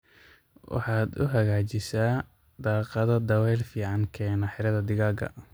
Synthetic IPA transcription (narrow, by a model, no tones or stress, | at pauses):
wɑ̰ħɑːd̪ʊ̰ɦɐɣaːt͡ʃɪsaː | d̪ɑːqɑðɐd̪ɐwɛjlfiːʕɑŋkʰɛːnɐħɪɾɐðɐd̪ɪɣaːɡɐ̰